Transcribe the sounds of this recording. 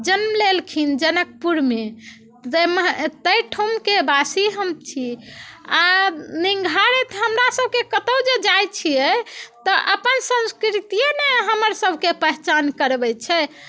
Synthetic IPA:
d͡ʒənmlelkʰind͡ʒənək̚puɾme | əməɦt̪əjʈʰumkebasiɦəmt͡ʃʰianiŋɡʱaɾɛt̪ɦəmɾasəb̚ʱkekət̪əwd͡ʒed͡ʒajt͡ʃʰijɛt̪ɔʔəpənsə̃ñskɾit̪ijeneɦəməɾsəbʱkepəɦt͡ʃankəɾbɛt͡ʃʰɛ

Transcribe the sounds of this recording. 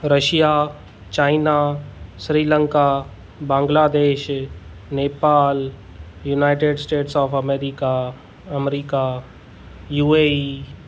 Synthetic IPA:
ɾəʃija | t͡ʃaːɪnasɾiːlə̃ŋka | bãːŋɡlaːd̪eːʃ | neːpaːl | junaːɪʈeɖsʈeːʈsɔːfʰɐmeːɾika | ɐmɾiːka | juːei

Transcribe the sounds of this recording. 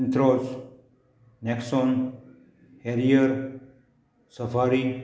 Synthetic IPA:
nt̪ɾos | nekson | heɾijəɾ | səfaːɾi

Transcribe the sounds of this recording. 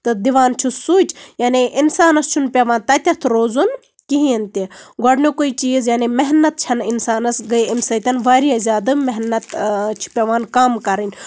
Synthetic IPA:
t̪ɨd̪iʋaːnt͡ʃʰusuːt͡ʃʰjaːneʔinsaːnɐst͡ʃʰunpʲɐʋaːnt̪ɐt̪ʲɐt̪ʰɾoːzun | kiɦĩɐnt̪eɡɔɽnokoit͡ʃiːzjaːnemeɦnɐt̪̚t͡ʃʰɐninsaːnɐsɡɐɐmsɐt̪ʲɐnʋaːɾijɐzʲaːd̪ɨmɛɦnɐt̪t͡ʃʰi̥pʲɐʋaːnkaːmkɐɾɐnʲ

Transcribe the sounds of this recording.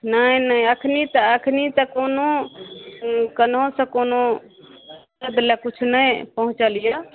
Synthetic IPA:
nəjnəjəkʰnit̪əəkʰnit̪ə̃kono | kənɦõsə̃kono | əd̪lɛkut͡ʃʰnəjpəɦũt͡ʃəlijə

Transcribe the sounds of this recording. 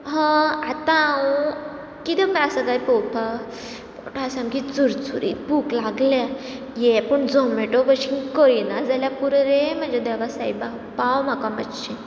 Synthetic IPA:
ɦə̃at̪ãu | kit̪ɛpasəkajpowpʰa | poʈʰasãmkit͡suɾt͡suɾḭbʱuklaɡlja | jɛpəɳd͡zomʋeʈopəɕinkəinad͡zaljapuɾɾem̤ə̃d͡zed̪ɛʋasajba | pawm̤akãməɕi

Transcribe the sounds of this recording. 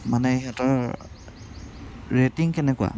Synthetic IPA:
manɛɦatɔɹ | ɹetiŋkɛnɛkwa̰

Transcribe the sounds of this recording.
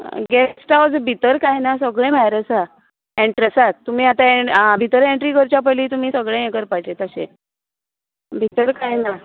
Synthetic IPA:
ɡɛʈawd͡zbʱit̪əɾkajnasəɡɭẽm̤ajɾəsa | ẽɳʈɾesat̪t̪ːum̤iːat̪aebʱit̪əɾẽɳʈɾiːkəɾt͡ɕapəliːt̪um̤iːsəɡɭẽjekəɾpat͡ɕet̪əɕḛ | bʱit̪əɾkajna

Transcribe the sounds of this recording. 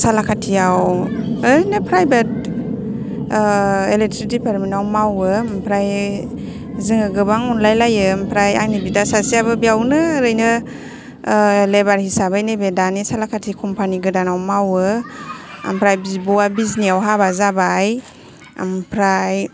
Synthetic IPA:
salakʰatʰiawɾɯjnɯpʰɾajbet̚ | elek̚tʰɾik̚dipaɾmenawmawɯmpʰɾaj | zɯŋɯɡɯbaŋunlajlajɯmpʰɾaja̰jnibidasasiabɯbiawnɯɾɯjnɯ | lebaɾhisabajnebedanisalakʰatʰikʰɔmpʰaniɡɯdanawmawɯ | a̰mpʰɾajbibɔwabizniawɦabazabaj | a̰mpʰɾaj

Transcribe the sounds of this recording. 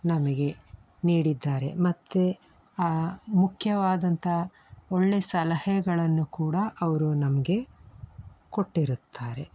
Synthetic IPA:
nɐmɐɡe̞ | niːɽid̪ːaːɾe̞̰mɐt̪ːe | aːmukʰjɐʋaːd̪ɐnt̪ʰɐ | oɭːe̞sɐlɐhɛɡɐɭɐnːukuːɽɐʔɐʋɐɾunɐmɐɡe̞ | ko̞ʈːiɾut̪ʰːaːɾe̞

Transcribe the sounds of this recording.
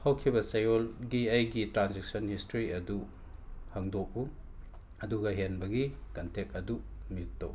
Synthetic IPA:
hɐwkʰibɐsɐjɔlɡiɐjɡitɾanzek̚sɔnhistoɾiɐdu | haŋdɔk̚u | ɐduɡɐɦenbɐɡikɐntʰek̚ɐdumitːo̰w

